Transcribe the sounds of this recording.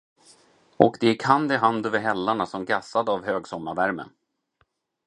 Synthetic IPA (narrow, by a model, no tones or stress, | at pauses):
ɔkd̪ɛɪkʰand̪ɪɦand̪ɵvɪɦɛlːaɳasɔmɡasad̪avhøːɡsɔmːavæɾmə̰n